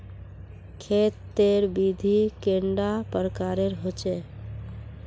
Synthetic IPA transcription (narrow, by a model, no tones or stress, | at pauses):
kʰet̪ːeɾbid̪ʱikeɳɖapəɾkaɾeɾɦot͡ʃe